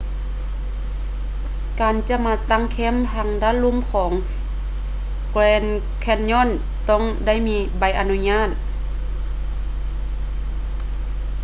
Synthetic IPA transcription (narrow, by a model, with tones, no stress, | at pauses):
kaː˨˩nt͡ɕa˧˥maː˧t̪a˧˥˨ŋkʰɛ˧˥˨mt̪ʰa˧˩ŋdaː˧˥˨lu˧˥˨mkʰɔː˩˦ŋ | klɛː˧˥n | kʰɛ˧˩nɲɔː˧˥˨n | t̪ɔ˥˨ŋda˥˩˨jmiː˧˥ba˧˩jʔa˧nu˧˥ɲaː˥˩˨t̪̚